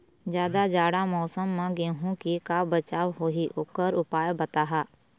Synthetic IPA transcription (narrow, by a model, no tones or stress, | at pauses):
d͡ʒjaːd̪ad͡ʒaːɽamɔːsəmːãɡeɦũkikabət͡ʃaːwɦoːɦiʔʊkəɾʊpaːjbət̪aːɦaː